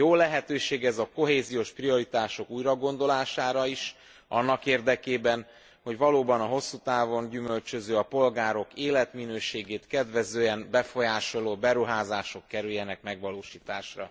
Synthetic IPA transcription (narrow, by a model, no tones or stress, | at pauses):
joːlɛɦɛt̪øːʃeːɡɛzɒko̞ɦeːzijoːʃprio̞ɾit̪aːʃo̞kuːjɾɒɡo̞nd̪o̞laːʃaːɾɒiʃ | ʔɒnːɒkeːrd̪ɛkeːbɛn | ho̞ɟʋɒloːbɒnɒɦo̞sːut̪aːvo̞ɲɟymø̞lt͡ʃøzøːɒpo̞lɡaːɾo̞keːlɛt̪minøːʃeːɡeːt̪kɛd̪ʋɛzøːɛmbɛfo̞jaːʃo̞loːbɛɾuɦaːzaːʃo̞kːɛɾyljːɛnɛkmɛɡʋɒloːʃiːt̪aːʃrɒ̰